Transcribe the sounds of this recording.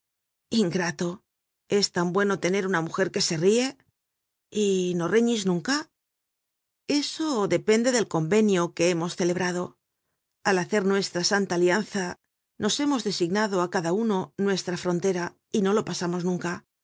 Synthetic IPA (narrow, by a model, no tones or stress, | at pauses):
iŋɡɾat̪o̞ | e̞st̪ambwe̞no̞t̪e̞ne̞ɾunamuxe̞ɾke̞se̞rie̞ | ino̞reɲiznũŋka | e̞so̞ðe̞pe̞nd̪e̞ðe̞lko̞mbe̞njoke̞emo̞sθe̞le̞β̞ɾað̞o̞ | alaθe̞ɾnwe̞st̪ɾasant̪aːljan̟θa | no̞se̞mo̞zðe̞siɣnaðo̞akaðauno̞nwe̞st̪ɾafɾo̞nt̪e̞ɾa | ino̞lo̞pasamo̞znũŋka